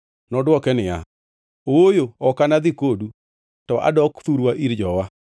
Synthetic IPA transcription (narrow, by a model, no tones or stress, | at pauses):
nɔdwɔkɛnɪa̰ | oojoɔkanaðikodu | tɔʔa̰dɔktuɾwaʔiɾd͡ʒɔwa